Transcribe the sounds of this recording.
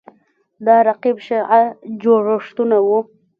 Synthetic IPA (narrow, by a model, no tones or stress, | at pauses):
d̪ɑɾaqibʃeʕad͡ʒoɽoʂt̪unawu